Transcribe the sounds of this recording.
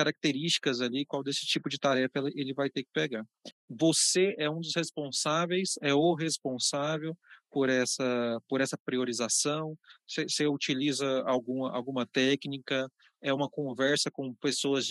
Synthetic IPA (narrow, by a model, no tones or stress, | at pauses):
kaɾak̚t̪eɾist͡ʃi̥kɐzalikwawd̪esɪ̥t͡ʃipʊd͡ʒɪt̪aɾɛfɐɛlʔelɪvajt̪ekɪ̥peɡa | voseɛũd̪ʊshespõsavejsɛoɦespõsavewpoɾɛsɐpoɾɛsɐpɾioɾizasɐ̃w̃seseut͡ʃilizɐawɡũmɐa̰wɡũmɐt̪ɛknikɐ | ɛũmɐkõvɛɾsɐkõpesoɐz